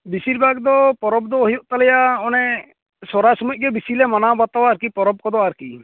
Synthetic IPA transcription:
bisiɾbʱaɡd̪ɔpɔɾɔb̚d̪ɔɦijɔʔt̪alɛjaɔnɛ | sɔɾasɔmuc̚ˀɡɛbisilɛmanabat̪awaːɾkipɔɾɔb̚kɔd̪ɔaɾki

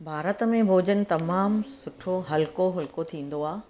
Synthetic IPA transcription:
bʱaːɾət̪mẽbʱoːd͡ʑənɪ̆t̪ɐmaːmsʊʈʰoɦɐlkoɦɐlkot̪ʰĩːn̆d̪oaː

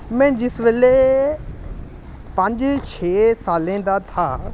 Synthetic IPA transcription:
mɛ̃ːd͡ʒɪsʋeleː | pə̃ɲd͡ʒt͡ʃʰeːsaːlẽːd̪aːt̪ʰaː

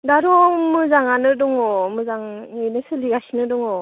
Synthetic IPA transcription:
daɾɔmɯzaŋanɯdɔŋɔmɯzaŋɯjnɯsɯliɡasinɯdɯŋɔ

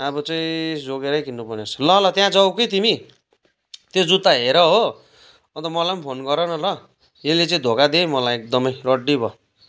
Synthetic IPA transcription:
abʌt͡sʌĩd͡zoɡeɾʌjkinːupʌrnet͡sʰʌ̥lʌlʌt̪jãd͡zʌwkʌjt̪imi | t̪jod͡zut̪aɦeɾʌɦo | ʌ̃nt̪ʌmʌlajmpʰonɡʌɾʌnʌlʌ | jelet͡saĩd̪ʱokad̪ejmʌlajek̚d̪ʌmʌjrʌɖːibʱʌ

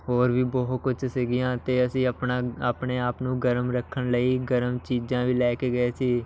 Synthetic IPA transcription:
ɦoːɾʋiːbɔːɦt̪̚kʊt͡ʃseɡɪjãːt̪eːəsĩːəpnaːaːpɳeːaːpnũːɡəɾəmɾəkʰːəɳləiːɡəɾəmt͡ʃiːd͡ʒãːʋiːlɛːkeːɡəeːsiː

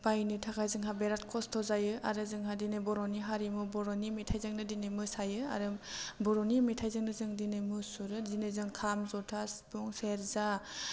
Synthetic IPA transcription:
bajnɯtʰakʰajzɯŋɦabeɾat̚kʰɔstʰɔzajɯʔaɾɯzɯŋɦadinɯbɔɾɔniɦaɾimɯbɔɾɔnimetʰajzɯŋnɯdinemɯsajɯa̰ɾɯmbɔɾɔnimetʰajzɯŋnɯzɯŋdinɯmɯsuɾɯdinɯzɯŋkʰamzɔtʰasbɔŋseɾza

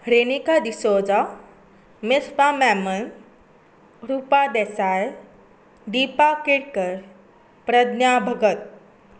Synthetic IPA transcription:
ɾeːnikad̪isoːd͡za | metʰpamɛːmən | ɾuːpad̪eːsaːe | ɖ̪iːpakeɽkəɾ | pɾɐd̪njabʱɐɡət̪̚

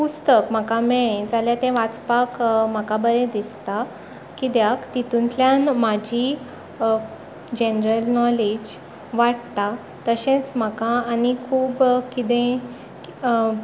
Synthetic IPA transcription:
pust̪əkm̤akameɭẽd͡zaljat̪ẽʋat͡spakmakabəɾẽd̪ist̪a | kid̪jakt̪it̪ũnt̪ljãnmad͡ʑʱi | d͡ʑenɾəlnɔled͡ʑ | ʋaɽt̪a | t̪əɕẽt͡sm̤əkãːnikʰuːbkid̪ẽ

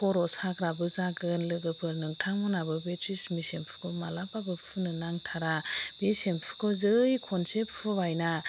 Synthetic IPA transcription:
pʰɔɾɔsaɡɾabɯzaɡɯnlɯɡɯpʰɯɾnɯŋtʰaŋɔnabɯbetʰismisempʰɯ̥kʰɔmalapabɯpʰɯnɯnaŋtʰaɾab̥esempʰɯ̥kʰɔzɯjkʰɔnsepʰɯbajna

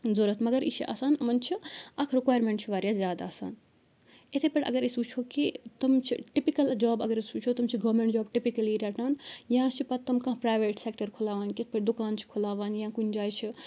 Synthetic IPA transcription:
zoːɾɐt̪ʰmɐɡəɾḭt͡ʃʰḭʔɐ̰saːnɐmɐnt͡ʃʰiɐkʰɾikwaːjɾmẽɳʈt͡ʃʰiʋaːɾjaːzʲjaːd̪a̰ɐsa̰ːn | et̪ʰepeɽɐ̰ɡəɾesuːt͡ʃʰoːkit̪ɐmt͡ʃʰiʈipikɐld͡ʒaːbɐɡəɾesuːt͡ʃʰoːt̪ɐmt͡ʃʰiɡɐʋmẽɳʈd͡ʒaːbʈipikɐliɾeʈaːnjɐɦãt͡ʃʰipɐt̪ːɐmkɐ̃pɾaːjʋeːʈsek̚ʈɐɾkʰulaːʋaːnket̪ʰpeɽd̪ukaːnt͡ʃʰi̥kʰulaːʋaːnjãkunʲd͡ʒaːjt͡ʃʰi

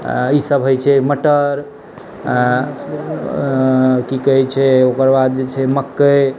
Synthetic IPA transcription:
isəbɦojt͡ʃʰɛməʈəɾ | kikəɦɛt͡ʃʰɛokəɾbad̪̚d͡ʒet͡ʃʰɛməkːəj

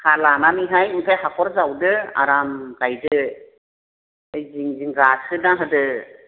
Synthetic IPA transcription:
kʰalanamiɦajɯŋkʰajhakʰɔɾzawdɯa̰ɾamɡajdɯ | ɯjziŋziŋɡasɯnaɦɯdɯ

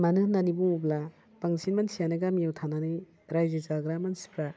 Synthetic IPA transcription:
manɯnanibuŋubla | paŋsʰinmansijanɯɡamijawt̪ʰananɯj | ɾajd͡ʒezaɡɾamansi̥pʰɾa

